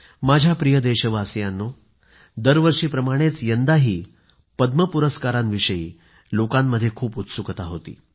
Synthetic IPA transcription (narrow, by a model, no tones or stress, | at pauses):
mad͡ʑʱjapɾijəd̪eɕəʋasjãnːo | d̪əɾʋəɾʂiːpɾəmaɽ̃et͡sjənd̪aɦiː | pəd̪məpuɾəskaɾãnʋiʂəjḭː | lokamːəd̪ʱːjekʰuːput̪sukt̪aɦot̪ḭː